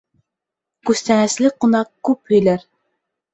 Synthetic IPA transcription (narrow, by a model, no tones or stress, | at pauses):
kʉst̪ænæslɘqunɑq̚kʉphɵ̆jlæɾ